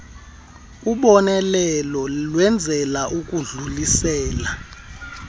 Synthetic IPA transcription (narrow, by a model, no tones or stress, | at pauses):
uɓɔnɛlɛlɔlwɛnd͡zʱɛlaʔukʼuɮulisɛːla